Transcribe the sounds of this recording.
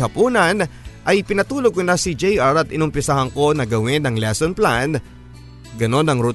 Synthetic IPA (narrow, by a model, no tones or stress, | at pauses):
hɐpuːnɐnʔɐjpɪnɐt̪uːloɡ̚konasɪd͡ʒɛjʔaɾɐt̪ɪnʊmpɪsahɐŋko̞nɐɡɐwɪnɐŋlɛsonplan | ɡɐno̞nɐŋɾut̪